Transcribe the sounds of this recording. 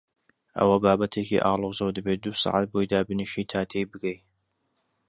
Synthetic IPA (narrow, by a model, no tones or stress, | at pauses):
ʔɐ̰wɐbaːbɐt̪ʰekḭːʔɑːlˠoːzɐwd̪ɨbeːt̪̚d̪uːsɑ̰ʕat̪̚bojd̪aːbɨnɨʃiːt̪ʰaːt̪ʰejbɨkej